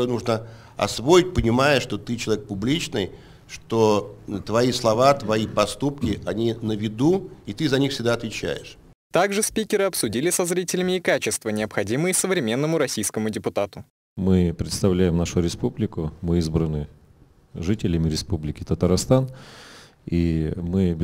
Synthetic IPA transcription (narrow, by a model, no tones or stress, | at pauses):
ojnuʐnə | ɐ̰svoɪt̚ʲpənʲɪmajəʂt̪ot̪ɨt͡ɕɪlˠɐvʲek̚pʊblʲit͡ɕnɨj | ʂt̪ot̪vɐislˠɐvat̪vɐipɐst̪up̚kʲɪʔɐnʲinəvʲɪd̪uit̪ɨzɐnʲixfsʲɪɡ̚d̪aɐt̪vʲɪt͡ɕæ̰jɪ̰ʂ | t̪aɡʐɨspʲikʲɪɾɨɐpsʊdʲilʲɪsɐzɾʲitʲɪlʲɪmʲɪːkat͡ɕɪst̪vənʲɪəpxɐdʲimɨjɪsəvɾʲɪmʲe̞nːəmʊɾɐsʲijskəmʊdʲɪpʊt̪at̪ʊ | mɨpɾʲɪt̪st̪ɐvlʲæjɪmnaʂʊɾʲɪspublʲɪkʊmɨizbɾənɨ | ʐɨtʲɪlʲɪmʲɪɾʲɪspublʲɪkʲɪt̪ət̪əɾast̪an | imɨ